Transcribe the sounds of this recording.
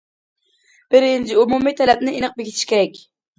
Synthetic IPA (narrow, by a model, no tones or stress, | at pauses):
b̥ɪɾɪnd͡ʒɪumumijt̪ʰɛlɛp̚nɪinɨq̚bɪɡʲit̪ʰɪ̥ʃkʲeɾɛkʲ